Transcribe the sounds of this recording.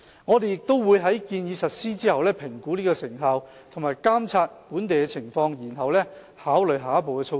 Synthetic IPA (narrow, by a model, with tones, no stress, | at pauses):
ŋɔː˨˧t̪e˨jɪ˨k̚t̪o˥wwuː˨˧jɦɐ˨˥jkiː˧njiː˨˧sɐ˨t̚siː˥t͡siː˥hɐ˨wlɛː˥pʰɪ˨˩ŋkuː˨˥niː˥kɔː˧sɪ˨˩ŋɦaː˨˧w | t̪ʰʊ˨˩ŋmaː˨jkaː˥mt͡sʰaː˧t̚puː˨˥nt̪e˨jkɛ˧t͡sʰɪ˨˩ŋfɔː˧ŋjiː˨˩nɦɐ˨wlɛ˥ | haː˨˥wlɵ˨ɥɦaː˨˧˦po˨wkɛː˧t͡sʰo˧